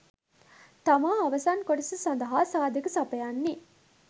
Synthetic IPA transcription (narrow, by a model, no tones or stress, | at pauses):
t̪ɐmaːɐʋɐsaːnkoʈɐsɐsɐnd̪ɐɦaːsaːd̪ɐkɐsɐpɐjanːi